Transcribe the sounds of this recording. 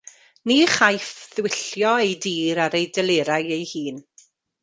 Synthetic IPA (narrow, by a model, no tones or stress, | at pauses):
niːχajfðwɪɬjɔejdiːɾaɾejdɛlˠeːɾajejhiːn